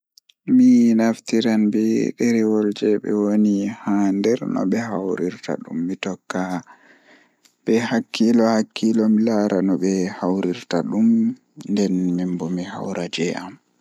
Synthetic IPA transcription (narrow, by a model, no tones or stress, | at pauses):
minaftiɾanbɛɗɛɾɛwɔld͡ʒɛɓɛ̰wonihandɛɾnɔ̰ɓɛhawɾiɾta̰ɗumːitɔkːa | ɓɛhakʰːilɔhakʰːilɔmilaɾanɔɓɛhawɾiɾtaɗum | ndɛnmimbɔmiha̰wɾad͡ʒɛam